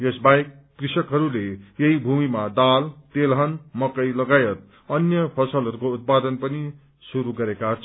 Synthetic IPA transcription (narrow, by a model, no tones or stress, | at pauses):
jʌsbajkːrisʌkɦʌɾulejʌɦibʱumimad̪alt̪elɦʌnmʌkʌjlʌɡajʌt̪̚ | ʌnjʌpʰʌsʌlɦʌɾukout̪̚pad̪ʌnpʌni | suɾuɡʌɾekaʌt͡sʰ